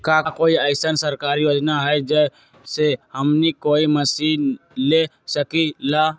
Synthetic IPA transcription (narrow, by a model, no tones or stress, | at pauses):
kakoːiəɪsənsəɾkaːɾijoːd͡ʒnaɦɛed͡ʒə | sehəmnikoːiməsiːnle | səkila